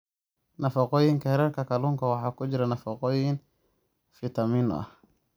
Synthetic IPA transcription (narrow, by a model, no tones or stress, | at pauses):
nɐfɑqɔːjɪŋkʰɐhɛɾɛrkʰɐkʰɐluːŋkʰɐwɑħɑːkʰʊt͡ʃɪɾɐnɐfɑqɔːjɪn | fɪt̪ʰɐminɔ̰ɐ̰h